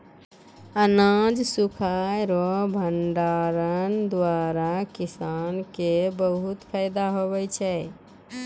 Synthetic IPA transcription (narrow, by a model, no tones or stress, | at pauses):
ənad͡ʒsukʰajɾɔbʱəɳɖaɾənd̪waɾakisankebəɦut̪pʰajd̪aɦobɛjt͡ʃʰɛ